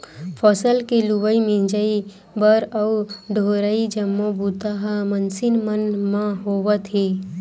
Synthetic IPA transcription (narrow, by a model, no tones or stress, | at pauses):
pʰɔːsəlkelubəimĩd͡ʒəi | bəɾɐuɖʱoːɾəid͡ʒəmːobuːt̪aɦamənsɪnmənmãɦoːwət̪ʰɦeː